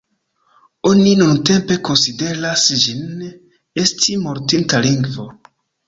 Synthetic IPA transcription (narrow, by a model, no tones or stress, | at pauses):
o̞ninunte̞mpe̞ko̞nside̞ɾasd͡ʒin | e̞stimo̞ɾtintaliŋɡvo̞